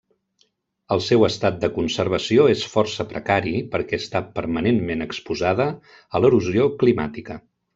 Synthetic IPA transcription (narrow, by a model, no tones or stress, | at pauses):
əlˠsɛwəst̪at̪̚d̪əkunsəɾβ̞əsioesfɔrsəpɾəkaɾipəɾkɛəst̪apəɾmənenmenəkspuzað̞əː | ləɾuzioklima̰t̪ikə